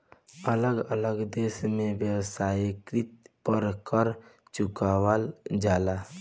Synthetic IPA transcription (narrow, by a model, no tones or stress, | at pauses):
ələɡələɡd̪eːsmẽʋjəwsaːikɾɪt̪̚pəɾkəɾ | t͡ʃʊkawəld͡ʒaːla